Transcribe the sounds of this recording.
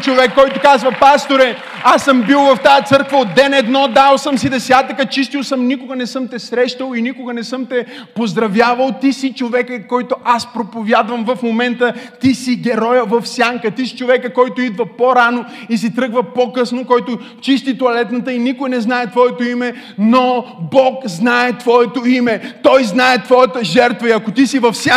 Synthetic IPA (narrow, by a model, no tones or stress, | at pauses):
t͡ʃovɛkːɔjt̪ʊkazvɐpast̪oɾɛ | asːəmbilˠvɐft̪ajət̪sɤɾkvɐod̪ːɛnɛd̪nɔd̪alˠsəmsid̪ɛsʲat̪əkət͡ʃist̪ilˠsəmnikʊɡənɛsɤmt̪ɛsɾɛʃt̪əlˠinikʊɡənɛsɤmt̪ɛpozd̪ɾɐvjavɐlˠt̪isit͡ʃovɛkəkːɔjt̪oʔaspɾopovjad̪vɐmvɐfmomɛnt̪ət̪isiɡʲɛɾɔjəvɐfsʲjaŋkət̪isi̥t͡ʃovɛkəkɔjt̪ʊid̪vɐpoɾanoisit̪ɾɤɡvɐpokɤsnokɔjt̪ʊ | t͡ʃist̪it̪oɐlɛt̪nɐt̪əinikʊjnɛznaɛt̪vɔɛt̪oimɛ | nobɔkznaɛt̪vɔɛt̪oimɛt̪ɔjznaɛt̪vɔjət̪əʒɛɾt̪vəiɐkot̪isivɐfsʲa